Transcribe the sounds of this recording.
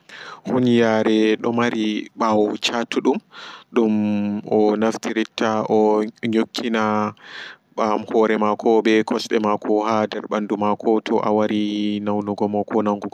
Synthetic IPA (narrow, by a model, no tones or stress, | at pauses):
hunjaɾɛɗɔmaɾiɓawt͡ʃatʰːuɗumɗumɔnaftiɾitːaʔɔɲokʰːina | ɓamhɔɾɛmakʰɔbɛkʰɔsɗɛmakʰɔɦadɛɾɓandumakʰɔtʰɔʔa̰waɾinawnɔɡɔmakʰɔnaŋɡɔɡɔ